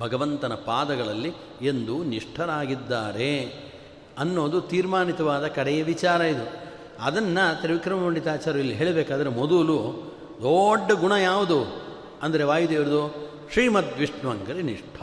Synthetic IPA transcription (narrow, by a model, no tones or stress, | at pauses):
bʱɐɡɐʋɐnt̪ɐnɐpaːd̪ɐɡɐɭɐlːi | e̞nd̪uniʂʈʰɐɾaːɡid̪ːaːɾe̞ | ɐnːo̞ːd̪ut̪iːɾmaːnit̪ɐʋaːd̪ɐkɐɽɛjɐʋit͡ʃaːɾɐid̪u | ɐd̪ɐnːɐt̪ɐeɾʋikɾɐmɐmɐɳɖit̪aːt͡ʃaːɾuilːiɦe̞ːɭebɛːkaːd̪ɐɾemod̪ulu | d̪oːɖːɐɡuɳɐjaːʋud̪u | ɐnd̪ɐɾe̞ʋaːjud̪eːʋɐɾud̪oː | ʃɾiːmɐt̪ʋiʂɳɐʋɐŋɡɐɾeniʂʈʰɐ̥